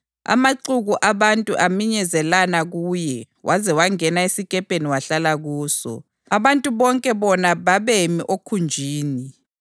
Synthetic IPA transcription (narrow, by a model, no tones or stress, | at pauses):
a̰maǀuɣuʔaβantʼuʔamiɲɛzɛlanaɣuːjɛ | wʔazɛwaŋɛnaesikʼɛpʼeniwaɬalaɣuːsɔ̰ | aβantʼuβɔŋkʼɛβɔnaβaβemiʔokʰund͡ʒʱiːni